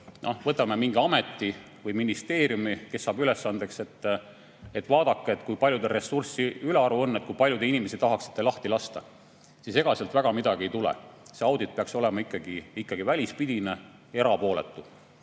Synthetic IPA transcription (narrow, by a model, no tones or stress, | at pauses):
nʔo̰vɤt̪ːˑɑmemiŋɡiɑme̞t̪ːi | vɤjminist̪eːɾjumike̞sːɑːbyle̞sːɑnd̪̥e̞kse̞t̪ːˑ | et̪ːˑvɑːd̪̥ɑkːeet̪kujpɑlʲjud̪ere̞sursiyleɑɾuo̞nːet̪̚kujpɑlʲjud̪einimesit̪ɑɦɑksit̪ːelɑht̪ilɑst̪ɑ | sise̞ɡ̥ɑselt̪væɡ̥ɑmid̪ɑɡ̥iejt̪ulḛse̞ɑwd̪it̪̚peɑkso̞le̞mɑikːˑɑɡiikːɑɡ̥ivælʲispid̪̥ine | e̞ɾɑpo̞ːle̞̰t̪ːˑu